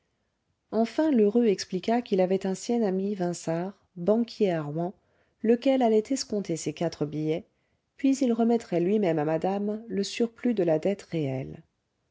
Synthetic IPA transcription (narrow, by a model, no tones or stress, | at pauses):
ɑ̃fɛ̃løʁøɛksplikakilavɛt̪ɛ̃sjɛnamivɛ̃saʁ | bɑ̃kʰʲjeaʁwɑ̃ | ləkʲɛlalɛt̪ɛskɔ̃t̪ʰesekat̪χəbijɛ | pɥizilʁəmɛt̪χɛlɥimɛmamad̪amləsyʁplyd̪əlad̪ɛt̪ʁeɛl